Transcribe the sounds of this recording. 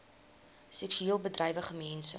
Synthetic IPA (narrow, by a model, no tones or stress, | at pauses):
sɛksyeːlˠbədrɛjvəχəmɛnsə